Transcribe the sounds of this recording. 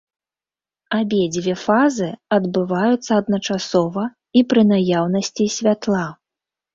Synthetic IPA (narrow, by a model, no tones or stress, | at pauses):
abʲɛd͡zʲvʲɛfazɨɐd̪bɨvajut̪sːɐːd̪̚nɐt͡ʂasɔvɐ | ipɾɨnajawnɐsʲt͡sʲisʲvʲat̪lˠa